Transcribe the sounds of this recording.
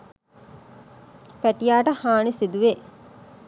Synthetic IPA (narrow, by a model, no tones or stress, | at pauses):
pæʈijaːʈəhaːnisid̪uʋe